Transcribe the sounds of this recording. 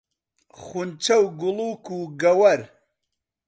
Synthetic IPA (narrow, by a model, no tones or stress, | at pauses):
χunt͡ʃʰɐwɡʊluːkuːɡɐwɐɾ